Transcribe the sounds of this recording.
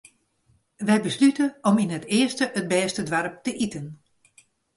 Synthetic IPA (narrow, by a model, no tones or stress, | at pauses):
ʋɛjbəslytəɔminətɪːəstəʔəd̚bɛːstədʋarp̚təʔitən